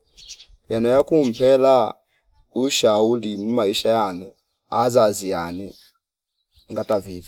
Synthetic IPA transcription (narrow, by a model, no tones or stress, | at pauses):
janɔjakum̩pɛla | uʃaulimumaiʃajanu | azaziani | ŋɡatavidi